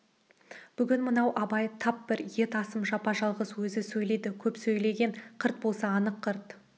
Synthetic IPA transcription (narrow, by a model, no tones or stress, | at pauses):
b̥ʏɡʲɪnmənɑwʔɑbɑjt̪ʰɑp̚bɪɾje̞t̪ɑsəmʒɑpɑʒɑlˠʁəswɵzɪsɵjle̞jd̪ɪkʲʰɵpsɵjle̞ɡʲe̞ɴqʰəɾt̪̚bo̞lˠsɑːnəqʰːəɾt̪